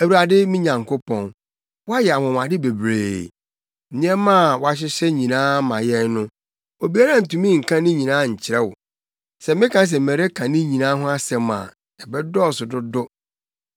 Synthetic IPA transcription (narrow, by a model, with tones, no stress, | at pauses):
æ˨wu˨ɾa˨dɪ˦mɪ̃˦ɲã˨ŋkʰo˦pʰɔ̃˨n | wɔ˦a˦jɛ˨a˨mʊ̃˨m˨ã˨dɪ˦be˨bɾḛː˨ | nɪ̃˦ɛ˦mã˦˨wɔ˦a˦ɕ̬ɪ˦ɕɛ˦ɲĩ˨nãː˦mã˨jɛ˦nnʊ̃˦ | o˨bi˨˦a˦ɾã˦n̩˨tũ˨mĩ˦ŋ̩˨kʰã˦nɪ̃˦ɲĩ˨nãː˦ɲ̩˨t͡ɕʰɪ˨ɾɛ˦wʊ̰˨ | sɛ˨mɪ̃˦kʰã˨˦s̬ɛ˨mɛ̃˨ɾe˦kʰã˨nɪ̃˦ɲĩ˨nãː˦ɦʊ̃˦a˦sɛ̃˨mːã̰˨ | ɛ˨bɛ˦dɔ˦˨sʊ˨dʊ˦dʊ˦